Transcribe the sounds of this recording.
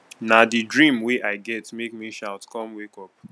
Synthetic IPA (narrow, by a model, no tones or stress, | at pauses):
nadidɹĩmwiʔaɪɡɛtmekmiʃaʊtkɔ̃mwekɔp̚